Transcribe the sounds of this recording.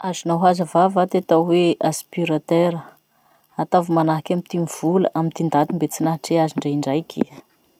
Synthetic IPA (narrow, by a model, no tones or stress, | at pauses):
azinaɦazəvavat̪et̪awweʔaspiɾat̪eɾə | at̪avumanaɦakʲamit̪imiv̥ulə̰ʔamint̪ind̪at̪imbet͡sinaɦaʈ͡ʂeaziɳɖ͡ʐaiɳɖ͡ʐajkʲi